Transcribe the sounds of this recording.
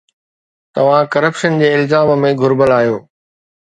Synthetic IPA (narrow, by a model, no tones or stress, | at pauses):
t̪ɐʋ̤ãkɐɾəpʃənd͡ʑeːɪlzaːmmẽɡʱʊɾbəlaːijoː